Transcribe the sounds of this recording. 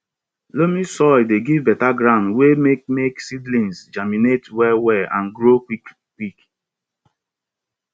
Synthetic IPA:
lomisɔldeɡivbɛtaɡɾãʊ̃ndwemek̚meksidlĩnsd͡ʒaminetwɛwɛʔãnɡɾo | wik

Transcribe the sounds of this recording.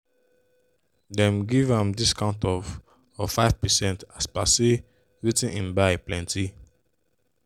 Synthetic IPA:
dɛ̃mɡivãmdiskʰãʊ̃ntɔv | ɔfaɪv̥pɛsɛ̃ntaspase | ɹitĩnĩnbaɪplɛ̃nti

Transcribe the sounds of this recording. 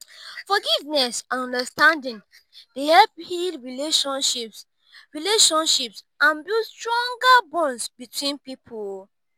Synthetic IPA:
fɔɡivnɛsãnɔ̃ndəstãndĩn | dehɛlp̚hildɹileʃɔ̃nʃips | ɹileʃɔ̃nʃips | ãnbilstɹɔ̃ŋɡabɔ̃nsbitʰwĩnpipʰo

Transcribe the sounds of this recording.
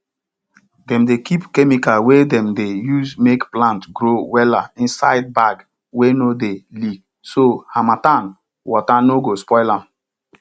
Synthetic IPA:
dɛ̃mdekʰipkɛmikawedɛ̃mdejuzmekplãntɡɾowɛla̰ĩnsaɪd̚baɡ | wenodelik | sohamatãn | wɔtanoɡospɔɪla

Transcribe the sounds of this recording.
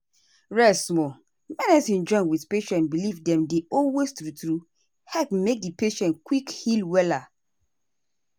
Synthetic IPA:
ɹɛsmɔ | mɛnɛsĩnd͡ʒɔ̃ɪ̃nwiθpeʃɛ̃nbilivdɛ̃mdeɔlwestɹutɹu | hɛpmek̚dipeʃɛ̃nkwikhilwɛla

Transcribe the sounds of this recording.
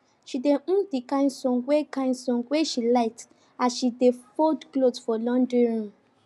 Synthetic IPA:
ʃideʔũndikãnsɔ̃ŋɡwekãɪ̃nsɔ̃ŋɡweʃilaɪt | asʃidefɔdklodfɔlɔ̃ndĩɹũ

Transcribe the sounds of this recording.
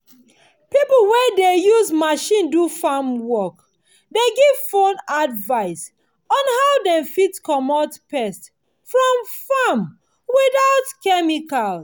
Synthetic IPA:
pipl̩wɛdejuzmaʃĩndufamwɔk | deɡiv̥fõnadvaɪs | ɔ̃nhaʊdɛ̃mfitkɔmɔtpɛst | fɹɔ̃mfam | wiðaʊtkɛmikal

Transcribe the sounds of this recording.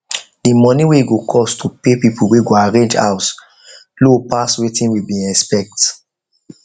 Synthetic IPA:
dimɔ̃niweiɡokʰɔstʰupepipuweɡoaɹẽnd͡ʒa̰ʊs | lopaswetĩnwibĩɛspɛk̚t

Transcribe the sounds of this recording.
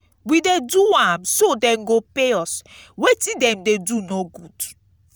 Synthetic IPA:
wideduwãmsodɛ̃mɡopeɔswetidɛ̃mdedunoɡud

